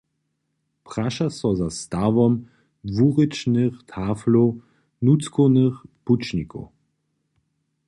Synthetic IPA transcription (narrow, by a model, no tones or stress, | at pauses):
pʁaʃasɔzast̪avɔm | vuʁɪt͡ʃnəxt̪ʰaːflo | nut͡skonəxput͡ʃniko̰